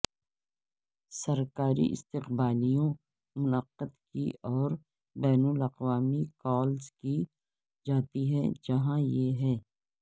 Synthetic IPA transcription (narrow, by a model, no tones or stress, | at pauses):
sɐɾkaːɾḭʔɪ̰st̪ɪqbaːlijõ | mʊnəqːəd̪kiɔːɾ | bɛːnʊlɐqʋaːmikɔːlzki | d͡ʒaːt̪iɦɛ̃d͡ʒɐɦãjeɦɛː